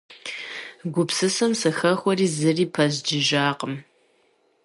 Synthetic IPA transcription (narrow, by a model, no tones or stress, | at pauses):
ɡʷʊpsɨsɐmsɨxɐxʷɔriːzɨriːpʰɐzd͡ʒɪʒaːqəm